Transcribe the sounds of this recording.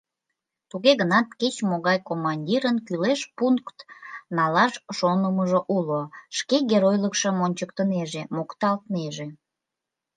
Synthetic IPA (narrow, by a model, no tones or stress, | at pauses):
t̪uɣeɣənɑt̪ket͡ɕmoɣɑjkomɑnʲdʲiɾənkyleʃpuŋkt̪nɑlɑʃʃonəməʒoʔuloʃkeɣeɾojləkʃəmonʲt͡ɕək̚t̪əneʒemokt̪ɑlt̪neʒe